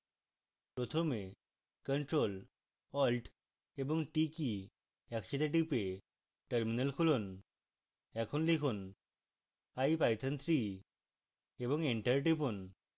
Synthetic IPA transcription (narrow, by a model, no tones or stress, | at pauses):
pɾot̪ʰome | kəɳʈɾol | ɔlʈ | eboŋʈiki | ɛkʃit̪aʈ̬ipe | ʈəɾminəlkʰulon | ɛkʰonlikʰon | ajpajt̪ʰant̪ʰɾi | eboŋiɳʈəɾʈ̬ipon